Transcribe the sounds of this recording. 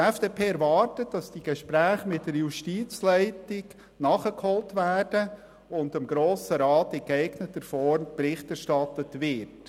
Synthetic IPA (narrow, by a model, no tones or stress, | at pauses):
ɛfd̥eːpʰeːɛɾʋɑːɾtətd̥ɑsd̥iɡ̥əʃpɾæːχəmɪtdəɾjuʃtiːt͡slɛɪtɪɡ | nɑχəkhɔltʋæːd̥ə | ʊndɪmɡɾoːsəɾɑːtɪkɛɪɡnətəɾfɔɾmpɾɪχtæɾʃtɑtətʋɪɾt